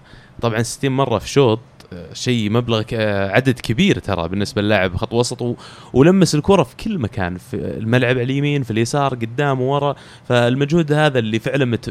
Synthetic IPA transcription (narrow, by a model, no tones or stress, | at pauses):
t̪ˤɑbʕɑnsɪ̥t̪ːiːnmɑrˤːɑfi̥ʃoːt̪ˤʃejmablaɣʕad̪ad̪kʰabiːɾt̪ʰɑ̰ɾˤɑ̰bɪnːɪsbaɪlːaʕabxɑt̪ˤːwɑsˤɑt̪ˤwwlamːasɪlkʊɾˤɑfi̥kʰɪlːmakʰa̰ːnfḭlmalʕabʕaljamiːnfiljasɑːɾˤɡʊd̪ːaːmwwɑɾˤɑ | falmad͡ʒhuːd̪haːðalːifɪʕlanmɪt̪